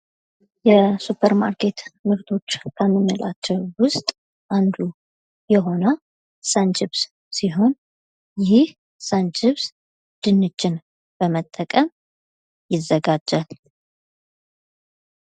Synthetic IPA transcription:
jɛsupʰəɾma̰ɾkʰe̞t̪mɨɾt̪ʰo̞t͡ʃːkʰəmːɨnːɨlat͡ʃːɛwwʊst̪ʼ | ʔand̪u | jɛɦo̞nə | sənd͡ʒɪβs | siɦo̞n | jɪhh | sənd͡ʒɪβs | d̪̥ɨnːɨt͡ʃːɪn | b̥əmət̪ʼːəkʼəm | jɪzːəɡad͡ʒːal

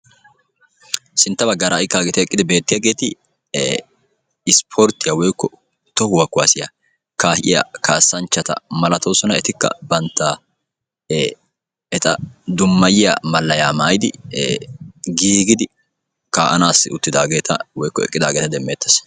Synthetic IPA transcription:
sɪnt̪ːɐbɐɡːaːɾaʔɪkːaːɡɛt̪ɪɛɛkʼːɪd̪ɪbe̞ːt̪ːɪjɐːɡe̞ːt̪ɪ | ɪspʰɔɾt̪ːɪjawɔjkːɔ | t̪ɔhʊwɐkːʊwaːsɪja | kaːhʔɪ̰jɐ̰kaːsːɐnt͡ʃːɐt̪ɐ̰mɐlɐt̪owsɔnɐɛt̪ɪkːɐ̰bɐnt̪ːa | ɛt̪ɐ̰d̪ʊmːɐjɪja̰mɐlːɐjaːmaːjd̪ɪ̰ | ɡiːɡɪd̪ɪ | kaːʔɐnaːsʊt̪ːɪd̪aːɡe̞ːt̪ʰɐ̰wɔjkːɔɛ̰kʼːɪd̪aːɡeːt̪ɐd̪ɛmːeːt̪ːɐs

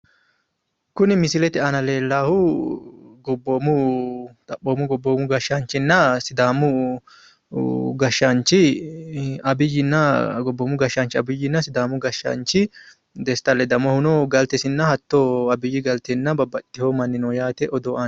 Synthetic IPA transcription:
kʊnɪmɪsɪlɛt̪ɪɐnɐle̞ːlːaːhʊ | ɡɔbːoːmʊt̪ʼɐpːoːmʊɡɔbːoːmʊɡɐʃant͡ʃːɪnːɐsɪd̪aːmʊ | ɡɐʃːant͡ʃːɪ | ɐbɪjːɪnːɐɡɔbːɔːmʊɡɐʃːant͡ʃːɪɐbɪjːɪnːɐsɪd̪aːmʊɡɐʃːɐ̰nt͡ʃːɪ | d̪ɛst̪ːɐlːɛd̪ɐmɔhʊnoɡɐlt̪ɛsɪnːɐhɐt̪ːoɐbɪjːɪɡɐlt̪ɛnːɐbɐbːɐt̪ʼːɪhoːmɐnːɪnoːjaːt̪ɛʔɔd̪oːʔɐ

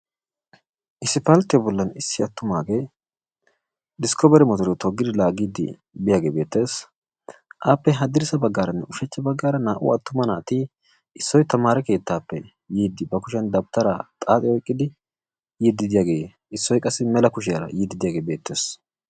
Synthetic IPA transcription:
ʔɪsːɪpɐlt̪ːɪjbɔlːɐnɪsːɪɐt̪ːʊmaːɡe̞ː | d̪ɪskɔbɛɾɛmɔt̪ɔɾɛt̪ɔɡːɪd̪ɪlaːɡiːd̪ɪ̰ | bɪjaːɡḛːbe̞ːt̪ːe̞ːs | ʔaːpːɛɦɐd̪ːɪɾsɐbɐɡːaːɾɐnːɛ̰ʊʃɛt͡ʃːɐbɐɡːaːɾɐnaːʔʊ̰ɐt̪ːʊmɐnaːt̪iː | ɪsːɔjt̪ɐmaːɾɛke̞ːt̪ːaːpːɛ̰ | jiːd̪ːɪbɐkʊʃɛnd̪ɐb̚t̪ɐɾa̰t̪ʼaːt̪ʼɪɔjkʼːɪd̪ɪ | jid̪ːɪd̪ɪjaːɡe̞ː | ɪsːɔjkʼɐsːɪmɛlɐkʊʃ̬ɪjɐɾɐ̰jiːd̪ɪd̪ɪjaːɡeːbe̞ːt̪ːe̞ːs

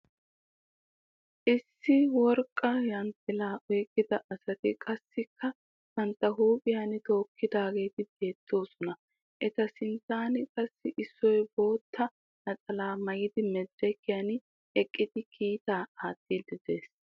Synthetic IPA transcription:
ʔɪsːɪwɔɾkʼːɐjɐnt̪ːɪlaːʔɔːkʼːɪd̪ɐʔɐsɐt̪ɪkʼɐsːɪkʰːɐ | t̪ɐnt̪ːɐɦuːpʼɪjanɪt̪o̞ːkʰːɪd̪aːɡe̞ːt̪ɪb̥e̞ːt͡s̪ːo̞ːsɔnɐ | ʔɛt̪ɐsɪnt̪ːaːnɪkʼɐsːɪʔɪsːɔjbo̞ːt̪ʰːɐ | nɐt͡sʼɐlaːmɐjɪd̪ɪmɛd̪ːɛkːɪjan | ɛkʼːɪd̪ɪkʰiːt̪aːaːt̪ːiːd̪ɪd̪e̞ːs

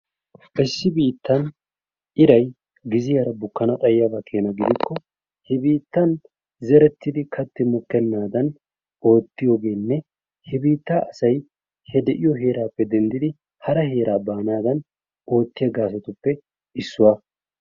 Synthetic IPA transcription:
ʔɪsːɪbiːt̪ːɐn | ʔɪɾɐj | ɡɪzɪjɐɾɐbʊkːɐnɐt̪ʼɐjːabɐkʰe̞ːnɐɡɪd̪ɪkːɔ | hɛbiːt̪ːɐn | zɛɾɛt̪ːɪd̪ɪkʰɐt̪ːɪmʊkːɛnːaːd̪ɐn | o̞ːt̪ːɪjoːɡe̞ːnːɛ | hɛbiːt̪ːaːʔɐsɐj | hɛd̪ɛʔɪjɔɦe̞ːɾaːpːɛd̪ɛnd̪ɪd̪ɪ | hɐɾɐhe̞ːɾaːbaːnaːd̪ɐn | o̞ːt̪ːɪjɐɡaːs̬ɛt̪ʊpːɛ | ɪsːʊwa

